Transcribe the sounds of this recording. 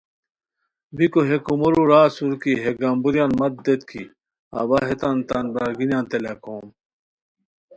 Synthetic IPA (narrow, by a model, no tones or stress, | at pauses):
bikoɦekumoɾuɾaːsuɾkiɦeɡambuɾjaːnmɐt̪̚d̪et̪kʰḭ | ɐ̰bɐɦet̪ant̪anbɾaɾɡinjaːnt̪elakʰoːm